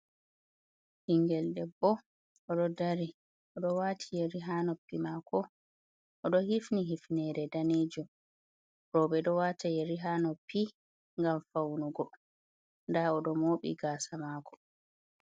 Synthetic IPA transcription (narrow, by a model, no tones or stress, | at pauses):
hiŋɡɛldɛbɔ | ɔɗɔdaɾi | ʔɔɗɔwaːtʰijɛɾiɦaːnɔpːimakʰɔ | ʔɔɗɔhifniɦifnɛɾɛdaneːd͡ʒum | ɾɔɓɛɗɔwatʰajɛɾiɦaːnɔpːi | ŋɡamfawnuɡɔ | ndaɔɗɔmoːɓḭɡaːsamaːkʰɔ̥